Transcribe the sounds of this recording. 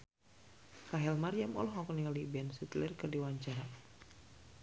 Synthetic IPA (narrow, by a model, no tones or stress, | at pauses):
raɦɛlmarjamɔ̰lɔɦɔknialibɛnsit̪lɛrkɨrdiwaɲt͡ʃaɾa